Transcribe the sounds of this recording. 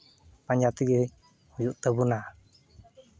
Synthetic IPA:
paɲd͡ʒat̪iɡe | hud͡ʒuʔt̪əbuna

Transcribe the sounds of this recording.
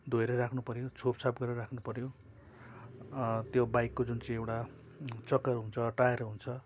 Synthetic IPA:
d̪ʱoeɾʌɾakʰnupʌɾjot͡sʰopsʰapɡʌɾʌrakʰnupʌɾjo | t̪jobajkːod͡zunt͡sʌĩewʈa | t͡sʌkːʌrɦunt͡sʰʌʈaeɾʌɦunt͡sʰʌ

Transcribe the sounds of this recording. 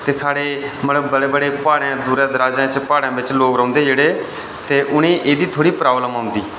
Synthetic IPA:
t̪eːsaːɽeːməəbəɽeːbəɽeːpaːɽãːd̪uːɾãːd̪əɾaːd͡ʒãːt͡ʃpaːɽãːʋɪt͡ʃloːkɾə̃ːnd̪eːd͡ʒeːɽeː | t̪eːʔʊnẽːʔeːd̪iːt̪ʰoːɽiːpɾaːʋləmãːʊ̃nd̪iː

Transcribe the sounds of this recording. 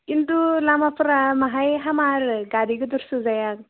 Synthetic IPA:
kint̪ulamapɾamaɦajɦamaɾɡaɾikod̪ɔɾsuzajak

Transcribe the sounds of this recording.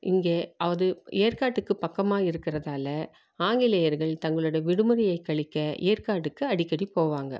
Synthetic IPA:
ʔɪŋɡeːʔɐʋɐðɯeːɾkaːʈːɯkːɯpɐkːɐmaːɪɾɯkːɪɾɐðaːlɐ | aːŋɡɪleːjɐɾɣɐɭt̪ɐŋɡɐɭɯɽɐʋɪɽɯmɯɾɪjɐɪkːɐɭɪkːɐʔḛːɾkaːʈːɯkːɯɐɽɪkːɐɽipoːʋaːŋɡɐ̰

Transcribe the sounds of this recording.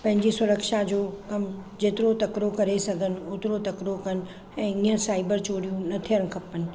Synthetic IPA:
pɐ̃ɦɪ̃ɲd͡ʑisʊɾəkʃad͡ʑoːkɐmd͡ʑeːt̪ɪɾot̪ɐkɾokɐɾesɐɡʱənɪ̆ʊt̪ɪɾot̪ɐkɾokɐnɪ̆ | ɛ̃ːiːɦə̃saːɪbəɾt͡ɕoːɾijũnɐt̪ʰijəɽ̃kʰɐpənɪ̆

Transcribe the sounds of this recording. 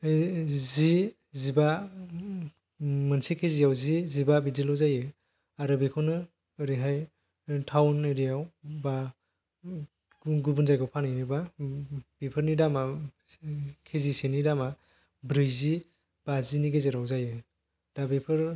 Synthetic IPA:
zi | ziba | mɯnsekʰezijawzizibabidilɔwzajɯ | aɾɯbikʰɔnɯ | ɾiɦaj | tʰawneɾijawba | ɡubunzajɡɔwpʰanɯjniba | b̥ipʰɯɾnidama | kʰezisenidama | bɾɯjzi | b̥aziniɡezeɾawzajɯ | d̥abipʰɯɾ

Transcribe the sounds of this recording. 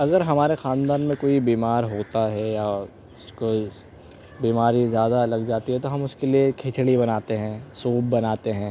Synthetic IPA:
ɐɡəɾɦɐmaːɾexaːnd̪aːnmẽkoːibiːmaːɾɦoːt̪aɦɛja | ʊsko | biːmaːɾizjaːd̪alɐɡd͡ʒaːt̪iɦɛt̪oɦɐmʊskeliekʰɪt͡ʃɽibɐnaːt̪eɦɛ̃ːsoːb̚bɐnaːt̪eɦɛ̃ː

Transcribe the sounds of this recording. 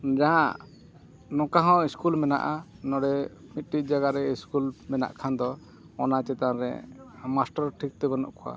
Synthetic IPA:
d͡ʒaɦãʔ | nɔ̃kaɦãwiskulmɛna̰ʔanɔɽɛmit̪̚ʈit̪̚ˀd͡ʒaɡaɾɛiskulmɛna̰ʔkʰand̪ɔ | ɔnat͡ʃɛt̪aɾɛ̰masʈaɾʈʰik̚t̪ɛbanɔ̰ʔkʰɔwa̰

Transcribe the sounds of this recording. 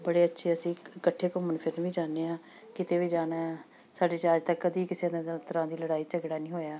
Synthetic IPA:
bəɽeːətːʃʰeːəsĩːkəʈʰːeːkʊmənpʰɪɾnʋiːd͡ʒaːneːãː | kɪt̪eːʋiːd͡ʒaːnaː | saːɖeːt͡ʃaːd͡ʒt̪əkːəd̪iːkɪseːt̪əɾãːd̪iːləɽaːiːt͡ʃəɡɽaːnĩːɦoːjaː

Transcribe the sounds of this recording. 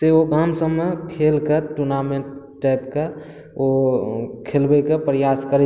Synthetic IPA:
seoɡamsəmːekʰelkeʈuɾnamẽɳʈʈːaɪpke | o | kʰelbekepɾjaskəɾ

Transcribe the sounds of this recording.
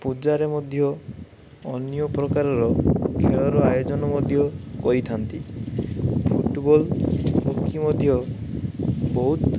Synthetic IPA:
pud͡ʒaɾemɔd̪ʱjɔ | ɔnijɔpɾɔkaɾɔɾɔkʰeɭɔɾɔajod͡ʒɔnɔmɔd̪ʱjɔkɔɾit̪ʰant̪i | pʰuʈbɔlbɔkːimɔd̪ʱjɔ | bɔɦut̪

